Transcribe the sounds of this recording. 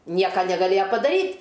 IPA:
ˈnʲiɛkɐ nʲɛɡɐˈlʲeːjɛ pɐdɐˈrʲiːtʲ

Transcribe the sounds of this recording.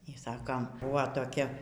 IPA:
iː ˈsɑːkoːm ˈbʊʋoː toːˈkʲɛ

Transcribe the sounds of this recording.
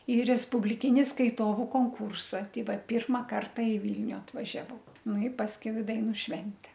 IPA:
iː rʲɛspʊbʲlʲɪˈkʲɪnʲɪ skɐɪˈtoːʋʊ koːŋˈkuːrsɐ ˈtʲɛɪ ˈʋɐt ˈpʲiːrmɐ ˈkɐrtɐ ɪ ˈʋʲiːlʲnʲʊ ɐtʋɐʒʲɛˈʋɐʊ ˈnʊ ɪ pɐsʲˈkʲɛʊ ɪ ˈdɐɪnʊ ˈʃʲʋʲɛnʲtʲɛ

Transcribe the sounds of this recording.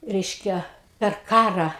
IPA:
ˈrʲɛɪʃʲkʲɛ pʲɛr ˈkɑːrɑː

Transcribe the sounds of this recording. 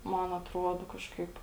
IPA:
ˈmɐn ɐtˈruɔdoː ˈkɑːʃkɐɪp

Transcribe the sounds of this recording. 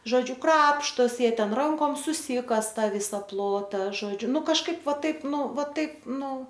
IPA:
ˈʒoːd͡ʒʲʊ ˈkrɑːpʃtoːsʲɪ ˈjiɛ ˈtʲɛn ˈrɐŋkoːm sʊˈsʲiːkɐsɐ ˈtɑː ˈʋʲiːsɐ ˈplˠoːtɐ ˈʒoːd͡ʒʲʊ ˈnʊ kɐʃˈkɐɪp ˈʋɐ ˈtɐɪp ˈnʊ ˈʋɐ ˈtɐɪp ˈnʊ

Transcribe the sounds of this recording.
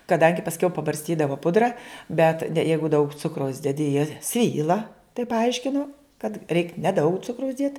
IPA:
kɐˈdɐŋʲɡʲɪ pɐsʲˈkʲɛʊ pɐbɐrʲsʲˈtʲiːdɐʋoː ˈpʊdrɐ bʲɛt dʲɛ ˈjɛɪɡʊ dɐʊk ˈt͡sʊkrɐʊs dʲɛˈdʲɪ jiɛ ˈsʲʋʲiːlˠɐ tɐɪp pɐˈɐɪʃʲkʲɪnoː kɐt rʲɛɪk nʲɛˈdɐʊk ˈt͡sʊkrɐʊs ˈdʲiɛt

